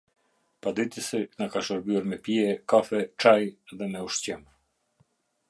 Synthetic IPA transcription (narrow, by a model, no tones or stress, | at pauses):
pad̪it̪əsɛnakaʃəɾbyɛɾmɛpiɛkafɛt͡ʃajðɛmɛuʃt͡ɕɛm